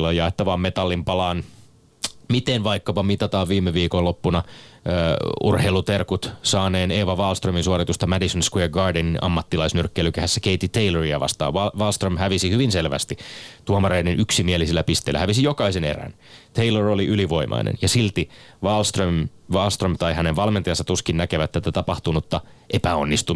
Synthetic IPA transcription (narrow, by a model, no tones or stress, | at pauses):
lːɑjɑet̪ːɑʋɑːmmet̪ɑlːimpɑlɑːn | mit̪enʋɑikːɑpɑmit̪ɑt̪ɑːʋʋiːmːeʋiːkolopːunɑ | ṵrheilut̪erkut̪sɑːneːneːʋɑʋɑːlst̪røminsuɑrit̪ust̪ɑmædisonskwiɡɑːrdeninʔɑ̰mːɑt̪ːilɑisnyrkːeilykæhæsːækeit̪ːit̪eiløriæʋɑ̰st̪ɑ̰ːʋʋɑʋɑlst̪rømhæʋisihyʋinselʋæ̰st̪it̪uɑmɑreinenʔyksimielisilːæpist̪eːlːæ̰hæʋisijokɑisenḛræ̰n | t̪ʰeiloroliʔyliʋo̞imʔɑ̰inʔḛnjɑsilt̪i | ʋɑlst̪rømʋɑlst̪rømt̪ɑihæneʋʋɑlment̪ijɑnsɑt̪uskinnækeʋæt̪ːæt̪æt̪ɑpɑht̪unut̪ːɑ | ʔepæonːist̪u